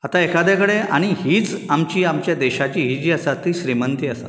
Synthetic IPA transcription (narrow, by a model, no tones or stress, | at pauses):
at̪aekʰad̪akəɽeaɽ̃ihiːt͡samt͡ɕiːamt͡ɕjad̪eɕat͡ɕiːɦiːd͡ʑiːəsat̪ːiɕɾimənt̪iːəsa̰